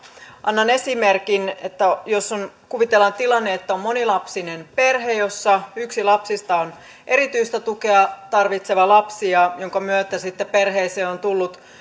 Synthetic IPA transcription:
ʔɑnːɑnesimerkinḛt̪ːæjosːonkuʋit̪elːɑnt̪ilɑnːeet̪ːæommo̞nilɑpsinenpe̞rɦejo̞sːɑyksilɑpsist̪ɑon | ʔe̞ɾit̪yist̪æt̪ukeɑt̪ɑrʋit̪seʋɑlɑpsiɑjoŋkɑmyøt̪æsit̪ːeperɦeiseːont̪ulːut̪

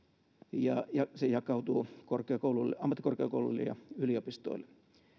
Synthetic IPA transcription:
jɑjɑsejɑkˑɑut̪uːkorkeɑkoululːḛɑmːɑt̪ːikorkeɑkoulṵlːḛjɑ̰yliopist̪o̰ilːe̥

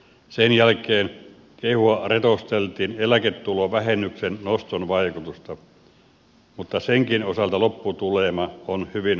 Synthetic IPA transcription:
senjælkˑeːn | kehuɑret̪ost̪elt̪iːnelæket̪ːuloʋæhenːyksennost̪onʋɑikut̪ust̪ɑ | mut̪ːɑseŋkinosɑlt̪ɑlopːut̪ulemɑonhyʋin

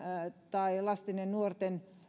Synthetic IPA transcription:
t̪ɑilɑst̪inennuort̪en

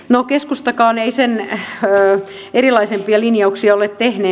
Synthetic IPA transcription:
nokeskust̪ɑkɑːneisenː | erilɑisempiɑlinjɑuksiɑolet̪t̪ehneː

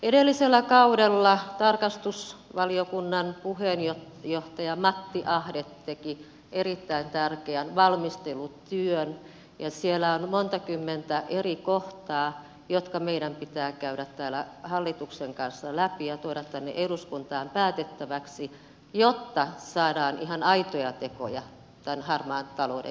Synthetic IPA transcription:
eɾelːiselːækɑudelːɑt̪ɑrkɑst̪usʋɑliokunːɑnpuhenjo | joht̪ɑjɑmɑt̪ːiʔɑhdet̪ːeki | ʔerit̪ːæint̪ærkeænʋɑlmist̪elut̪yøn | jɑsielːˑæonmont̪ɑkymːent̪æʔerikoht̪ɑː | jot̪kɑmeiɾæmpit̪æːkæyɾæt̪tæːlæhɑlːit̪ukseŋkɑnsːɑlæpijɑt̪oiɾɑt̪t̪ænːḛʔeɾuskunt̪ɑːmpæːt̪et̪ːæʋæksi | jot̪ːɑsɑːdɑːnʔihɑnɑit̪ojɑt̪eko̰jɑ | t̪ænhɑrmɑːnt̪ɑlodḛ

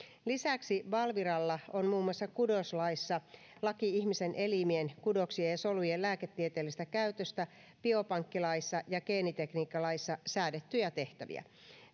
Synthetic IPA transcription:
lisæksiʋɑlʋiɾɑlːɑo̞nmuːmuɑsːɑkudoslɑisːɑ | lɑkiihmisenʔe̞limienkudoksiesolujellæːket̪ːiet̪eːlːist̪ækæyt̪øst̪æ | pio̞pɑŋkːilɑisːɑjɑkeːnit̪ekniːkːɑlɑisːɑsæːdet̪ːyjɑt̪e̞ht̪æʋḭæ̰

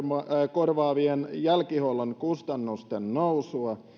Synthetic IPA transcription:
korʋɑːʋienjælkiholonkust̪ɑnːust̪ennousuɑ

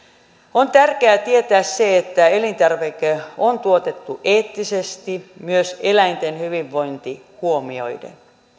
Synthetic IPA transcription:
ont̪ærkeæt̪iet̪æːsseet̪ːæelint̪ærʋekeont̪uot̪et̪ːuʔeːt̪ːisest̪imyøselæjnt̪enhyʋiʋːo̞jnt̪i | huomio̞̰jdḛn

